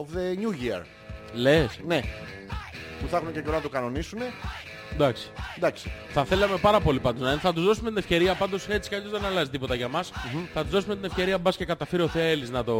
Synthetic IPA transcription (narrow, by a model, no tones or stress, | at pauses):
ofðeɲuʝiɐ̰ɾ | lesne | puθɐxunececeonɐt̪okɐno̞nisune̞ | d̪ɐksi̥d̪ɐksi̥θɐθe̞lɐme̞pɐɾɐpo̞lipɐnd̪o̞znɐinθɐt̪uzðo̞sumet̪inefçce̞ɾiɐpɐnd̪o̞se̞t͡si̥kɐozðenɐlɐzit̪ipo̞t̪ɐʝɐmɐsθɐt̪uzðo̞sume̞t̪ine̞fçe̞ɾiɐbɐsce̞kɐt̪ɐfeɾio̞θeliznɐt̪o̞